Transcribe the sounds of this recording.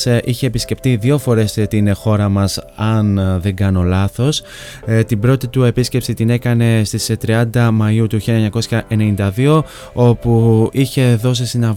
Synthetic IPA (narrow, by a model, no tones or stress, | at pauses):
ʔiçe̞ːpisce̞pt̪iðʝo̞fo̞ɾe̞st̪inxo̞ɾɐmɐsɐnðe̞ŋɡɐno̞lɐθo̞s | t̪ibɾo̞t̪it̪ue̞pisce̞psit̪ine̞kɐne̞st̪ist̪ɾiɐnd̪ɐmɐjut̪uçilɐeɲɐko̞sçɐʔe̞ne̞nind̪ɐðio̞ | o̞puiçe̞ðo̞s̬isinɐ